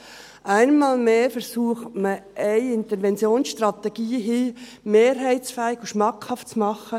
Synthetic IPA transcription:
ʔæɪnmɑːlmeːfəɾsuəχtməʔɛɪɪnt̪əɾʋɛnt͡sjoːnsʃtɾɑt̪ɛɡ̥iːɦiː | meːɾɦæɪtt͡sfæːɪɡ̥uʃmɑkʰhɑftt͡smɑχə

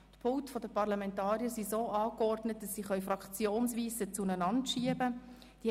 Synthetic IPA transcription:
tpʰʊtfɔdəpɑʁlɑmɛntɑːɾiəɾsizoːʔɑːkɔrdnət̚d̥ɑsːiːχœʏfɾɑkt͡sjoːnsʋiːsət͡sunənɑntʃiəbə | d̥i

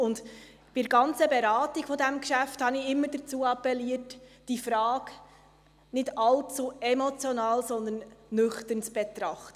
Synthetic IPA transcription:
ʊnd | b̥ɪəɡɑnt͡səbɛɾɑːtiɡ̥fɔdæmkʃæfthɑnɪɪmːəɾdət͡suːɑpːɛliətd̥ifɾɑːk | nɪdɑlt͡suɛmɔt͡sjɔnɑːlsɔnd̪ənːʏχtənt͡sb̥ɛt̪ɾɑχtə

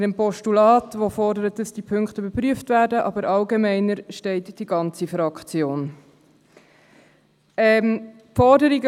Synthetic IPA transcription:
dəmpɔʃtulɑːtʋofɔɾdəɾət̚dɑsd̥ipʰɵŋkχtəybəɾpryəftvæːdəʔɑ̰bəɾʔɑlɡemɛɪnəɾʃtɛɪtd̥iɡ̥ɑnt͡sifɾɑkt͡sjoːn | ɛm | fɔɾdəɾiɡə

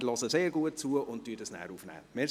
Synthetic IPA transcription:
lɔsəseːɾɡuət̚t͡suəʔʊnttːyːdəsnæ̰ːɾuːfnɛ̰ːme

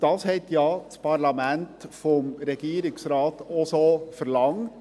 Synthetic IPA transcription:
d̥ɑːshɛɪt̪jɑːspʰɑɾlɑmæntfɔmɾɛɡ̥iːɾɪksɾɑːtɔsofəɾlɑŋt

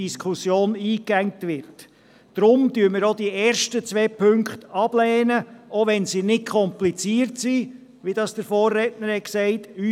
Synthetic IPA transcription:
iskχusjoːniːkæŋtʋɪɾtː | ɾʊmdyːəməɾod̥iɛːɾʃtət͡sʋɛːpʰɵŋkχtɑb̥lɛːnəoʋɛnsinɪtkʰɔmplit͡siːəɾtsi | ʋid̥ɑːsd̥əɾfɔːrːɛtnəɾhɛksɛɪty

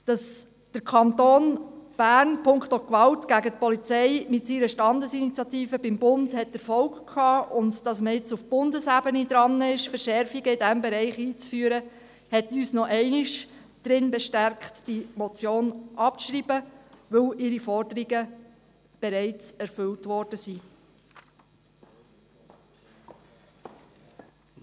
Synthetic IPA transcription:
d̥ɑs | d̥əɾkʰɑnt̪oːnb̥æːɾnpʰʊŋktokʋɑltɡ̥æɡətpɔlit͡sɛɪmɪtsiɾəʃtɑndəsinit͡sjɑtiːfəbɪmbʊndhɛtəɾfɔwkkʰːɑːʊndd̥ɑsməɪt͡sufb̥ʊndəsæbənid̪ɾɑnɪʃfəɾʃɛɾfiɡəɪdæmbɛɾɛɪχiːt͡sfyːɾə | hɛtyːsnɔʔɛɪnɪʃ | d̥ɾɪnbɛʃtæɾkχtd̥imɔt͡sjoːnʔɑp̚ʃɾiːbəʋɵlʔɪɾifɔrdəɾiɡə | b̥eɾɛɪt͡sɛɾfʏltʋɔɾd̥əsi

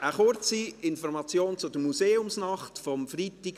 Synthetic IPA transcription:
ʔəχʊɾt͡siɪnfɔɾmɑt͡sjoːnt͡sʊdəmuseːʊmsnɑχtfɔmfritɪɡ

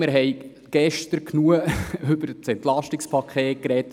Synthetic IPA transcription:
mɪɾɦɛj | ɡ̥ɛʃtəɾkʰnuəɵb̥əɾt͡sɛntlɑʃtikspʰɑkχeːt̚kɾɛt

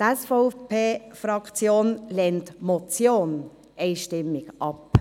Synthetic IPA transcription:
tɛsfoʊpʰeːfɾɑkt͡sjoːnlɛntmɔt͡sjoːn | ɛɪʃtɪmːɪɡʔɑp

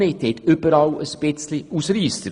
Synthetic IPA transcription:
et̪ʰet̪ʏbəɾɑləspɪt̪t͡sliusɾiːst̪əɾ

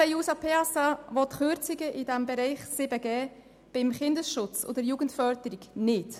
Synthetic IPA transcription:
ɛjuːsɑpʰeɑsɑvɔtχøɾt͡siɡəʔɪdæmbɛɾɛɪχsɪbəɡɛː | b̥ɪmχɪndəsʃʊt͡so̰dəɾjuːɡ̥ən̩tfœɾdəɾiɡnɪt

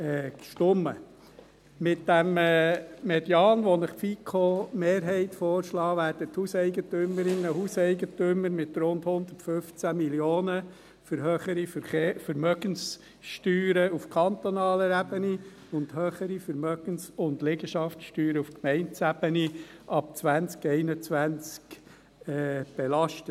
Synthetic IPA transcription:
ɛkʃtʊmːə̰ | mɪt̚d̥æmː | mɛd̥jɑːnʋɔnɪχfikʰomeːɾɦɛɪt̪fɔːɾʃlɑːʋæːɾd̥əthusɛɪɡət̪øməɾɪnːəɦusɛɪɡətøməɾmɪt̪ɾʊndhʊnd̪ə̥tfʏft͡sæmiljoːnə | fəɾɦøːχəɾifefəɾmœɡ̥əns | ʃtyːɾəufkʰɑnt̪onɑːləɾæb̥əni | ʊnd̪høːχəɾifəɾmœɡ̥ənsʊndleɡəʃɑftʃtyːɾəufkmɛɪntt͡sæb̥əniʔɑp̚t͡sʋænt͡skɛɪnət͡sʋænt͡sk | ɛːb̥ɛlɑʃtə

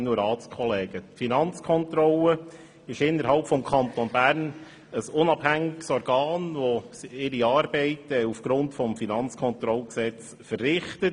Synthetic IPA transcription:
nuɾɑːskʰɔlɛːɡ̥ətfinɑnt͡skʰɔnt̪ɾɔlə | ɪʃɪnːəɾhɑlpfɔmkʰɑnt̪ɔnbæːɾn | əsʊnɑb̥hæŋɪɡsɔɾɡ̥ɑːnʋɔɪɾiɑːɾbɛɪtɛufɡ̥ɾʊntfɔmfinɑnt͡skʰɔnt̪ɾɔlksɛt͡s | fərːɪχtət

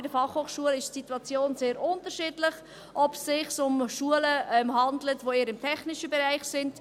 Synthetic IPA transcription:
ɪdəfɑχhoːχʃuəlɪʃtsituɑt͡sjoːnzeːɾʊntəɾʃɪːdlɪχ | ʔɔpsɪχsʊmʃuələɛmhɑndlətʋoːiːɾɪmtʰɛχnɪʃəbɛɾaɪχsɪnt

